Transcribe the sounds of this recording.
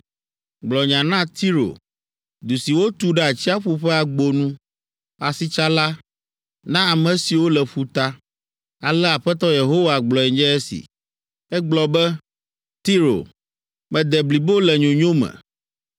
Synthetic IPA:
ɡ͡blɔ˨ɲã˨nã˦t̪ʰi˦ɾo̰˨ | d̪u˨si˨wo˦t̪u˦ɖɛ˦a˨t͡ɕi˦a˦ɸu˦ɸɛ˦a˨ɡ͡bo˨nũ˦ | a˨si˦t͡ʃa˦la˦ | nã˦a˨mɛ̃˨si˨wo˦lɛ˨ɸu˦t̪a˦ | a˨lɛ˦a˨ɸɛ˦t̪ɔ˦je˨ɦo˦wa˨ɡ͡blɔ˨ɛ˨ɲd͡ʒɛ˦ɛ˦sḭ˨ | ɛ˦ɡ͡blɔ˨bɛ˦ | t̪i˦ɾo̰˨ | mɛ̃˨d̪ɛ˨bli˨bo˦lɛ˨ɲõ˨ɲõ˦mɛ̰̃˨

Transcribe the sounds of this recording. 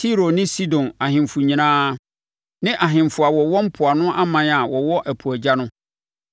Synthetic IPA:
tʰi˦ɾo˨nɪ̃˦si˦dɔ̃˨na˨ɦɪ̃˨mfʊ˨ɲĩ˨nãː˦ | nɪ̃˦ʔa˨ɦɪ̃˨mfʊ˨a˨wɔ˨wɔ˦m̩˦pʰʊ˨a˨nʊ̃˦ʔa˦mã˦na˨wɔ˨wɔ˦ʔæ˨pʰu˨æ˨d͡ʑa˦nʊ̃˦

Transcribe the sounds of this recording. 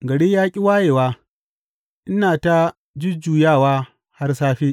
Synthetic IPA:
ɡɐ˨ɽeː˦jaː˦kʲʼi˦waː˦jeː˨waː˦ | ʔɪ˦naː˨ta˦ | d͡ʒɪ˦d͡ʒuː˨jaː˦˨waː˦ | ha˦rsaː˦ɸiː˦ʔ

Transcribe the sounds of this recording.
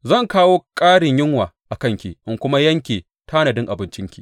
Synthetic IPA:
zɐ˦˨ŋkaː˦woː˦kʼaː˦ɽɪ˨ɲjɪ˦ŋwaː˨ʔa˨kɐ˦˨ŋkʲḭ˨ʔɪ˨ŋkʷʊ˦ma˦jɐ˦ŋkʲeː˨ | tʰa˦nɐ˨dɪ˦ŋʔa˨bɪ˨nt͡ʃɪ˦ŋkʲḭ˨

